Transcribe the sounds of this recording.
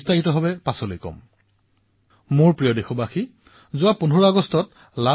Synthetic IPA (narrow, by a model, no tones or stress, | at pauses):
staɦitɔɦɔbɛpasɔlojkɔ̰m | mʊɹpɹijɔdexɔbaxi | zʊwapunʱuɹaɡɔstɔt | la